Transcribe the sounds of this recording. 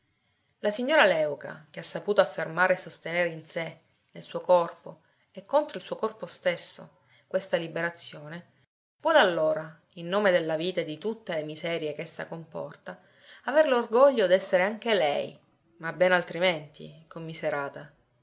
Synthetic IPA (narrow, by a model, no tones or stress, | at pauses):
lasiɲːoːɾalɛwka̰k̟easːapuːt̪oafːermaːɾesːost̪eneːɾeinse | nelsuːokɔrpo | ekːont̪ɾoilsuːokɔrpost̪esːo̰ | kwest̪alibeɾat̪sːjoːne | vwɔːlealːoːɾa | inːoːmed̪elːaviːt̪ad̪it̪ut̪ːelemizɛːɾjekesːa̰kompɔ̰rt̪a | averlorɡɔʎːod̪ɛsːeɾeaŋk̟elɛj | mabɛnalt̪ɾiment̪ʰḭkomːizeɾaːt̪a